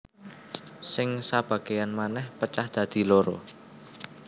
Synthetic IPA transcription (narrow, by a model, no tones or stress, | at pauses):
sɪŋsab̥ä̤ɡ̥e̤janmanɛhpət͡ʃahd̪̥ä̤d̪̥i̤loɾɔ